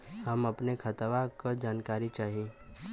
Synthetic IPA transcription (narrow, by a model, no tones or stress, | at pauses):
hɐmɐpnekʰɐt̪ʋakad͡ʒaːnkaːɾit͡ʃaːɦieː